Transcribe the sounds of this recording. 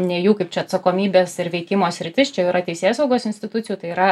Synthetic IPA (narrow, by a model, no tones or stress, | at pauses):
nʲɛjuːkɐɪp̚t͡ʃʲɛɐt̪sɐkoːmʲiːbʲeːsɪɾʋʲɛɪkʲɪmoːsʲɾʲɪt̪ʲɪst͡ʃʲɛjɛʊɪɾɐt̪ʲɛɪsʲeːsɐʊɡoːsɪnʲsʲt̪ʲɪt̪ʊt͡sʲɪjuːt̪ɐɪiːɾɐ